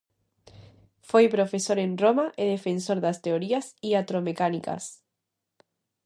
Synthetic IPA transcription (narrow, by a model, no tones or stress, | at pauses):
fojpɾofesoɾenromaʔeðefensoɾðast̪eoɾiasiat̪ɾomekanika̰s